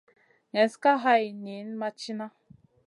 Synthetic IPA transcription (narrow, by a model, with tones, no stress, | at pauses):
ŋɛ˨n˦ska˦ɦa˦i˨ni˨˦n˦ma˦t͡ʃi˦na˦